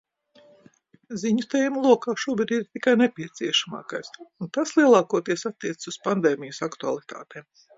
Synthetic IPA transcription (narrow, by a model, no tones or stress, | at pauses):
ziɲut̪ɛːjmlˠuɔkaːʃuɔbɨd̪ʲiɾt̪ikajnepʲiɛt̪siɛʃama̰ːkajsunt̪aslˠiɛlˠɑːkuɔt̪iɛsat̪ːiɛt̪ɪ̥suspand̪eːmʲijusakt̪ua̰lˠit̪a̰ːt̪eːm